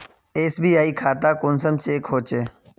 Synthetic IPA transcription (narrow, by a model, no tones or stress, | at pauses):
eːsbiːaːiːkʰaːt̪aːkʊnsəmt͡ʃeːkɦoːt͡ʃeː